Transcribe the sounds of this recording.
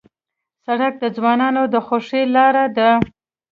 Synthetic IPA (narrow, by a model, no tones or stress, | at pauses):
saɽak̚d̪əzwɑnɑnod̪əxoʂelɑɾad̪ə